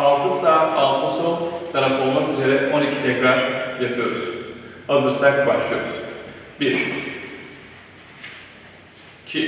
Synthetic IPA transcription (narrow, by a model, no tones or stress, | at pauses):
alˠt̪ʰɯsaːt̪ʰalˠt̪ʰɯso̞nt̪ʰanafolˠmakyze̞ɾɛʔo̞nicʰit̪ʰɛcɾaɾ̥japʰɯjo̞ɾuz̥hazɯɾsakba̰ʃlˠɯjo̞ɾṵz̥biʃ | cʰi